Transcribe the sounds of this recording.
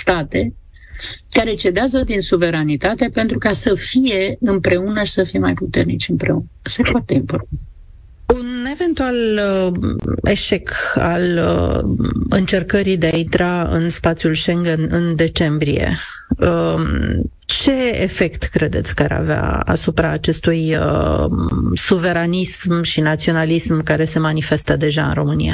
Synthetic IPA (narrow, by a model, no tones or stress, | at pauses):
st̪at̪e̞ | kaɾe̞t͡ʃe̞d̪eazəd̪insuve̞ɾanit̪at̪e̞pe̞nt̪ɾukasəfije̞ɨmpɾe̞unəʃi̥səfijemajput̪e̞rnit͡ʃʲɨmpɾe̞unəse̞poat̪e̞impo̞rt̪ant̪ | une̞ve̞nt̪ual | e̞ʃe̞ka̰l | ɨnt͡ʃe̞rkəɾid̪e̞aint̪ɾaɨ̰nspat̪sʲjulʃeŋɡənɨnd̪e̞t͡ʃe̞mbɾije̞̰ | ə | t͡ʃe̞ḛfe̞kt̪kɾe̞d̪e̞t̪sʲkaɾa̰vea̰a̰supɾaːt͡ʃe̞st̪uj | suve̞ɾanismʃinat̪sio̞nalismkaɾe̞se̞manifest̪əd̪e̞ʒaɨ̰nro̞mɨnḭa̰